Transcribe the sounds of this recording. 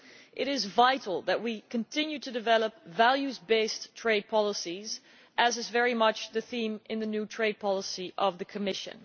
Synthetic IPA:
ʔɪɾɪzvaɪɾl̩ˠðɨt̚wikʰɨ̃ntʰɪ̃njʉtʰɨdɨvɛlˠəp̚vælˠjʉzbeɪstʰɹ̥eɪd̚pʰɑlˠəsiz | ʔɨzɨzvɛɹimʌt͡ʃðɨθĩmɨ̃nðɨnʉtʰɹ̥eɪd̚pʰɑlˠəsiʔʌvðɨkʰɨmɪʃɨ̰̃n

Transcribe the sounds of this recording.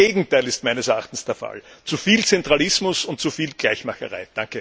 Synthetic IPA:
eːɡŋ̩taɪlɪstmæɪnəsɛɐʔa̰χtn̩sd̥eːɐfa̰lt͡sufiːlt͡sɛntʁalɪsmʊsʊnt̚t͡sufiːlɡ̥læɪçmaxəʁaɪd̥aŋkə

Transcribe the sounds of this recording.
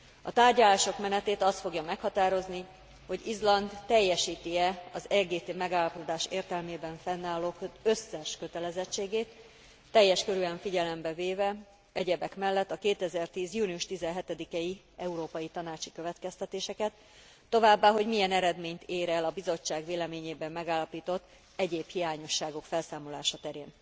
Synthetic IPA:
ɒ̰t̪aːrɟɒlaːʃo̞kmɛnɛt̪eːt̪ɒst̪fo̞ɡjɒmɛkhɒt̪aːɾo̞zni | ho̞ɟizlɒnd̪ːɛjːɛʃiːt̪iɛɒzɛɡeːt̪eːmɛɡaːlːɒpo̞d̪aːʃeːrt̪ɛlmeːbɛɱfɛnːaːlːoːkøsːɛʃkøt̪ɛlɛzɛt͡ʃːeːɡeːt̪ː | ɛjːɛʃkøɾyɛɱfiɟɛlɛmbɛveːvɛ | ɛɟɛbɛkmɛlːɛt̪ːɒkeːt̪ɛzɛrt̪iːzjuːniuʃt̪izɛnɦɛt̪ɛd̪ikɛi | ɛuɾoːpɒjit̪ɒnaːt͡ʃikøvɛt̪kɛst̪ɛt̪eːʃɛkɛt̪ː | o̞vaːbːaːɦo̞ɟmijɛnɛɾɛd̪meːɲt̪eːɾɛlɒbizo̞t͡ʃːaːɡveːlɛmeːɲeːbɛmːɛɡaːlːɒpiːt̪o̞t̪ː | ɛɟeːphijaːɲo̞ʃːaːɡo̞kfɛlsaːmo̞laːʃɒt̪ɛɾḛːn

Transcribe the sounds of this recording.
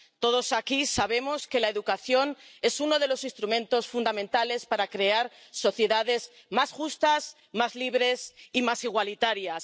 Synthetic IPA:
t̪o̞ð̞o̞sakisaβe̞mo̞ske̞lae̞ðukaθjo̞ne̞suno̞ð̞e̞lo̞sinst̪ɾumẽ̞nt̪o̞sfund̪amẽnt̪ale̞spaɾakɾe̞aɾso̞θje̞ðaðe̞z | masxust̪as | mazliβ̞ɾe̞simasiɣ̞walit̪aɾjas

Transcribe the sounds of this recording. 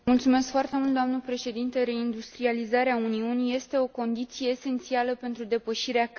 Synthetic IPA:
mult̪sume̞skfoart̪e̞mult̪̚d̪oamnəpɾe̞ʃe̞d̪int̪e̞ɾe̞ind̪ust̪ɾializaɾeauniunije̞st̪e̞o̞ko̞nd̪it̪sijeːse̞nt̪sialəpe̞nt̪ɾud̪e̞pəʃiɾea

